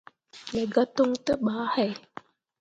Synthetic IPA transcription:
lɛ˨ɡa˦t̪o˦ŋt̪ə˦ɓaː˨˦hɛ˦˨j

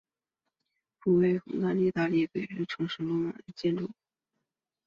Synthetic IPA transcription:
pu˥we˥˩ɪxʊ˨˥ŋt̪a˥˧ni˥˧t̪a˥˧lji˥˩kwe˨˩ɪɥɛ˧˥nʈ͡ʂʰɤ˧˥ŋʂɻ̩˧˥lʊ˥˩ma̰˨˩d̪ə˧˩t͡ɕjɛ˥˧nʈ͡ʂu˥˩

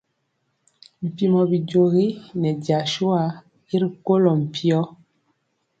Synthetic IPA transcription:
m̩˨pi˨mɔ˨bi˨ɟo˨ɣi˦nɛ˨dja˨ʃu˦a˨˦ | i˦ɾi˨ko˦lɔ˨m̩˨pʰi˦ɔ˦

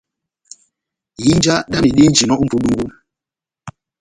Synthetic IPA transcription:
ji˦n˦d͡ʒa˦ɗa˦mi˨ɗi˦n˦d͡ʒi˨nɔ˦u˦m̩˦pu˨˦ɗu˦ŋɡu˦m

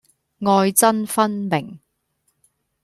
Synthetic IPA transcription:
ŋɔː˧jt͡sɐ˥nfɐ˥nmɪ˨˩ŋ

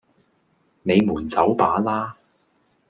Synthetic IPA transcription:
me˨˧jmuː˨˩nt͡sɐ˨˥wpaː˨˥laː˥

